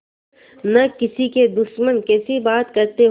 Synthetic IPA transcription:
nɐkɪsiked̪ʊʃmənkɛːsibaːt̪kɐɾt̪eɦ

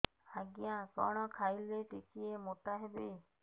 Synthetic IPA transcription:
aɡijãkɔ̰ɽ̃ɔkʰajleʈekiemoʈaɦebe

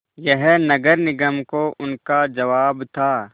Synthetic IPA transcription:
jɛɦnɐɡəɾnɪɡəmkoʔʊnkad͡ʒɐʋaːbt̪ʰaː

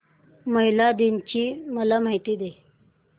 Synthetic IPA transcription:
məɦilad̪iɲt͡ɕiːməlamaɦit̪iːd̪e

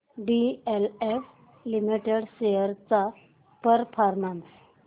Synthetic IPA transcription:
ɖielef | limiʈeɽɕejəɾt͡sa | pəɾfʰaɾmans

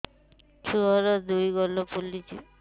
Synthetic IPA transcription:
tʰuɦɔɾɔd̪ujɡɔlɔpulit͡ʃḭ

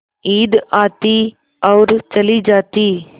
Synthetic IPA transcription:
iːd̪aːt̪i | ɔːɾt͡ʃɐlid͡ʒaːt̪iː

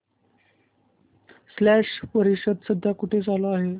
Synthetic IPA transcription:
slæʂpəɾiɕəd̪səd̪ʱjakuʈʰed͡zaloaɦe

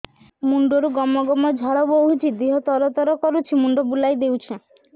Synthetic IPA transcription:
muɳɖoɾuɡɔmɔɡɔmɔd͡ʒʱɔɽɔboɦut͡ʃʰid̪iɦɔt̪ɔɾɔt̪ɔɾɔkɔɾut͡ʃʰimuɳɖɔbulajd̪ewt͡ʃʰe

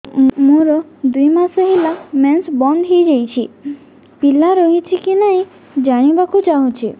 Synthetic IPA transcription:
mũɾɔd̪ujmasɔɦilamɛnsbɔnd̪ɦejd͡ʒejt͡ʃʰi | pilaɾɔɦit͡ʃʰikinaɦĩ | d͡ʒaɽ̃ibakʰut͡ʃaɦũt͡ʃʰi

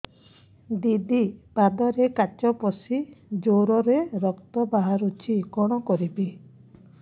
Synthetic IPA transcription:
d̪id̪ipad̪ɔɾekat͡ʃɔpɔsid͡ʒoɾɔɾeɾɔkt̪ɔbaɦaɾut͡ʃʰikɔɽ̃ɔkɔɾibi

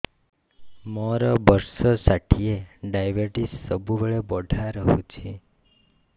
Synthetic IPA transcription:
mɔɾɔbəɾsɔsaʈʰieɖajʋəɾʈisːəbʱubəɭebɔɖʱaɾəɦṵ̃t͡ʃʰe

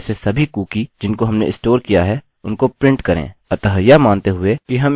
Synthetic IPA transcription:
sesɐbʱikuːkid͡ʒɪnkoɦɐmnḛʔɪsʈoːɾkijaɦɛ | ʊnkopɾɪ̃ɳʈkɐɾḛ̃ːɐt̪əɦəjamãːnt̪eɦʊekiɦɐm

